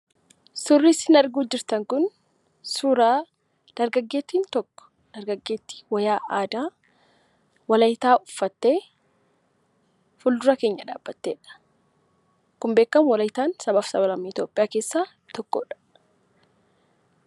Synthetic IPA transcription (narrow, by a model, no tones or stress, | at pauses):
sʊrːisɪnɐɾɡuːd͡ʒɪɾt̪ɐŋkʊn | suːɾaː | d̪̥ɐɾɡɐɡːe̞ːt̪ːiːnt̪ɔkːɔ̥ | d̪̥ɐɾɡɐɡːe̞ːt̪ːi̥wɐjaːʔaːd̪aː | wɐlɐjt̪aːʔʊfːɐt̪ːe̞ː | fʊld̪ʊɾɐke̞ːɲːɐᶑa̰ːbːɐt̪ːeːᶑɐ̥ | kʊmbeːkːɐmwɐlɐjt̪aːnsɐbaːfsɐbɐlɐmːiɪt̪jo̞ːpʼːɪjaːke̞ːsːaː | t̪ɔkːɔ̰ᶑɐ̥